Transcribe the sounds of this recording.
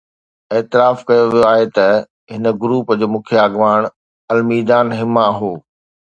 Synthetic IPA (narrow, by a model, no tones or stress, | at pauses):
eːt̪ɪɾaːfkɐjoʋijoaːɦet̪ɐ | ɦɪnə̆ɡɾuːpd͡ʑoːmʊ̃kʰjaːɡʋaːɽ̃ | ɐlmiːd̪aːnɦɪmaɐɦoː